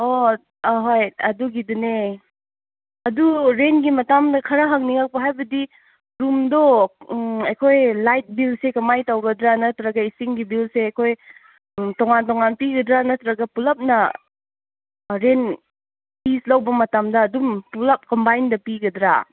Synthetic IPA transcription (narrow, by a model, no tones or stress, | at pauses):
o | ɦojɐduɡidune | ɐduɾenɡimɐtamdɐkʰɐɾɐɦɐk̚niŋak̚pɐɦajbɐdi | ɾumdɔ | ɐjkʰojlajt̚bilsekɐmajtawɡɐdɾanɐtɾaɡɐisiŋɡibilseɐjkʰoj | tɔŋantɔŋanpiɡɐdɾanɐtɾaɡɐpulɐp̚nɐ | ɾen | pislawbɐmɐtamdɐːdumpulɐp̚kɔmbajndɐpiɡɐdɾa̰